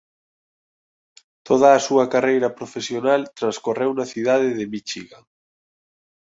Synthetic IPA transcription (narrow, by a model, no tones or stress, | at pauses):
t̪ʰoð̞ɐːsuɐkarejɾɐpɾofesjonalt̪ɾanskorewnɐθiðaðɪðemit͡ʃiɣa